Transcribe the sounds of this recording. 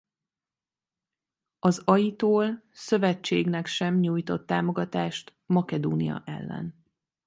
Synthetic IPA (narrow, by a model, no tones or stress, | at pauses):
ɒzɒjit̪oːl | sø̞vɛt͡ʃːeːɡnɛkʃɛmɲuːjt̪o̞t̪ːaːmo̞ɡɒt̪aːʃt̪ | mɒkɛd̪oːnijɒ̰ʔɛ̰lːɛ̰n